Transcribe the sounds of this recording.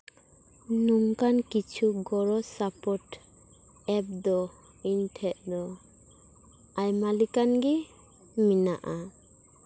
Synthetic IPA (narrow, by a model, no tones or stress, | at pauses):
nuŋkankit͡ʃʰuɡɔɾɔsapɔʈ | ɛp̚d̪ɔ | intʰɛʔ̚d̪ɔ | ajmalikanɡɛ | mina̰ʔa